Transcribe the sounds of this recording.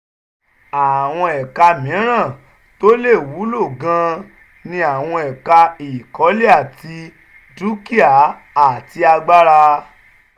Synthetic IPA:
a˨w̃ɔ̃˧ɛ˨ka˧mĩ˨˦ɾ̃ã˦˨ | to˦le˦˨wu˨˦lo˦˨ɡã˧ | nĩ˧a˨w̃ɔ̃˧ɛ˨ka˧i˨kɔ˨˦le˦a˦˨tʰi˧ | du˦ki˦a˨ | a˨ti˧a˧ɡ͡ba˦ɾa˧

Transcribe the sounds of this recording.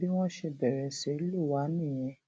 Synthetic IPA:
bi˦w̃ɔ̃˦ʃe˧bɛ˨ɾɛ˨se˨˦lu˦˨wa˨˦nĩ˦˨j̃ɛ̃˧

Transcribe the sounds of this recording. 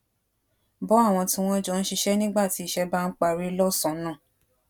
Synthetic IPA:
bɔ˨˦a˦˨w̃ɔ̃˧tĩ˧w̃ɔ̃˦d͡ʒɔ˧n̩˦ʃi˧ʃɛ˦nĩ˦ɡ͡ba˦˨ti˨˦i˦˨ʃɛ˦ba˦n̩˦k͡pa˧ɾi˦lɔ˦sɔ̃˨nãː˦˨

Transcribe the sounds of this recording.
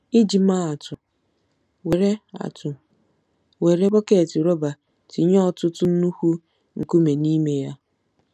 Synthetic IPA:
i˦d͡ʒi˨ma˦a˨tʊ˨ | we˨ɾe˦a̰˨tʊ˨ | we˨ɾe˦bɔ˦ke˨ti˨ɾo˦ba˨ | ti˨˦ɲ˦ɔ˦˨tʊ˦tʊ˦nu˦hu˦ | ŋ̩˨ku˦me˨ni˦me˦ja˦

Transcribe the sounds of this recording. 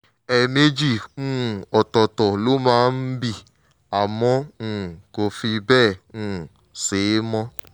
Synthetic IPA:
ɛ˧me˦d͡ʒĩ˦˨˦ | ɔ˨tɔ˨tɔ˨lo˨˦mãː˦n̩˦bi˦˨ | a˨mɔ̃˧˦˨ko˧fi˧bɛː˦˨ũ˨˦˨ | seː˨˦mɔ̃˦

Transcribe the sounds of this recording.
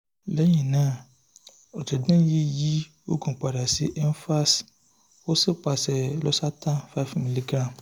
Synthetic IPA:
lɛ˦jĩ˨nãː˦˨ | ɔ˨d͡ʒɛ˨dũ˦ji˦ji˦ | o̰˦ɡũ˨k͡pa˨da˨si˦ʔɛ˦n˦fa˦s | wo˦si˦k͡pa˨sɛ˨lɔ˦sa˦tã˦fa˦˨fmi˨li˦ɡɾã˦˨m

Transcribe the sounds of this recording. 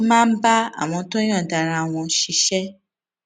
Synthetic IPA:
mãː˦n̩˦ba˦a̰˨w̃ɔ̃˧˦to˦j̃ã˦˨da˨ɾa˧˨w̃ɔ̃˧ʃi˧ʃɛ˦

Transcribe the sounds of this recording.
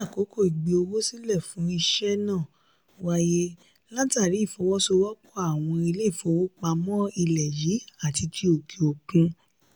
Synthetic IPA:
a˦˨ko˨˦kʰo˦˨i˨ɡ͡bi˨o˧wo˦si˦lɛ˦˨fũ˨˦i˧ʃɛ˦nãː˦˨ | wa˦je˦ | la˦ta˦˨ɾi˨˦˨fɔ˨˦wɔ˦so˧wɔ˦kʰɔ˦a˦˨w̃ɔ̃˧i˧le˦i˦˨fo˨˧˦wo˦k͡pa˧mɔ̃˦i˧lɛ˨ji˨˦a˦˨ti˧tʰi˧o˨kʰi˧o˨kũ˧

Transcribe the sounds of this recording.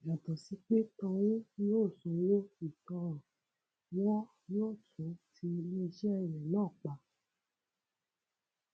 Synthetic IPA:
ja˨tɔ˨si˨˦k͡pe˦tɔ̃˧wũ˦joː˦˨sõ˨˧jo˦i˨tɔ̃˧ɾ̃ɔ̃˨ | wɔ̃˦ | jɔ˦˨tũ˨˦tʰi˧nĩ˦˧ʃɛ˦ɛ˦˨ɾɛ̃˨lãː˦˨k͡pa˧

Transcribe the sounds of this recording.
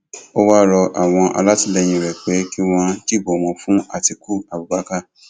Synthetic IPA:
o˦wa˦ɾɔ˧ʔa̰˨w̃ɔ̃˧ʔa̰˧la˦ti˦˧lɛ˧j̃ĩ˧˨ɾɛ˨k͡pe˨˦ki˦w̃ɔ̃˦ki˦˨bo˨w̃ɔ̃˧fũ˦a̰˦˨ti˧ku˦˨a˨bu˨ɡ͡ba˨˦ka˦˨

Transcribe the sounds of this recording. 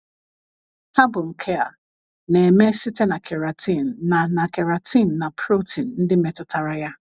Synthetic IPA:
ha˦bʊ˨ŋ̩˨kʰe˦a̰˨ | ne˨me˦si˦te˦na˨kʰe˨ɾa˨tʰi˦˨n̩˨na˨na˨ke˨ɾa˨ti˦˨n̩˨na˨pʰɾo˦ti˨n̩˨n̩˦dɪ˦me˨tʊ˦ta˨ɾa˦ja˦

